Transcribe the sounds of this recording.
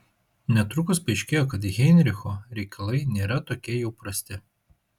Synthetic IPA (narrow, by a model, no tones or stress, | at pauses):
nʲɛt̪ɾʊkʊspɐɛɪʃʲkʲeːjoːkɐt̪ɣʲɛnʲɾʲɪxoːɾʲɛɪkʰɐlˠɐɪnʲeːɾɐt̪oːkʲiɛjɛʊpɾɐsʲt̪ʲɪ